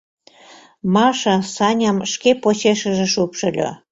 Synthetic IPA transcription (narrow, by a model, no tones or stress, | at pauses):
mɑʃɑsɑnʲɑmʃkepot͡ɕeʃəʒĕʃupʃə̆lʲo̰